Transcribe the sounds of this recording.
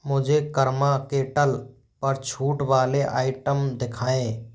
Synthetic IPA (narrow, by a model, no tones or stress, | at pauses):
mʊd͡ʒʱekəɾmaːkeːʈəl | pəɾt͡ʃʰuːʈʋaːleʔaːɪʈəmd̪ɪkʰaːẽː